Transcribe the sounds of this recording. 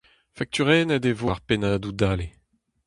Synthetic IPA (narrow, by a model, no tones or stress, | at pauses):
fak̚t̪yʁɛːnɛdevoaʁpenaːd̪ud̪aːle